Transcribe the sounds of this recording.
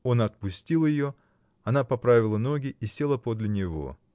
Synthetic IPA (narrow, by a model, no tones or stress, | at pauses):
o̞nɐt̪̚pʊsʲtʲilˠjɪjo̞ | ɐnapɐpɾavʲɪlˠəno̞ɡʲɪisʲe̞lˠəpo̞d̪lʲɪnʲɪvo̞̰